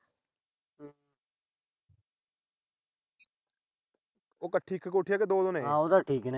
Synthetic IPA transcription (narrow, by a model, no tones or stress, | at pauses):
oːkəʈʰːiːkkoːʈʰɪjaːked̪oːd̪onẽːãːod̪aːʈʰiːkne